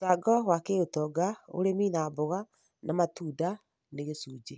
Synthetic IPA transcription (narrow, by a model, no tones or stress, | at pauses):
saɡɔwakeotɔɡao̰ɾeminabɔɣa | namatuda | neɣesuːd͡ʒe